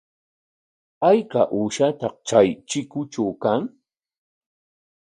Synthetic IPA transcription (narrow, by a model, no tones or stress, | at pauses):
ajkaʔuːʃat̪ɑq̚t͡ʃajt͡ʃɪkʊt͡ʃawkaŋ